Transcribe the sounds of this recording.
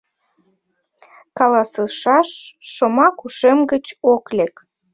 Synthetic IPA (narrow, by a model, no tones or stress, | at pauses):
kɑlɑsəʃɑʃːomɑkuʃemɡət͡ɕoklek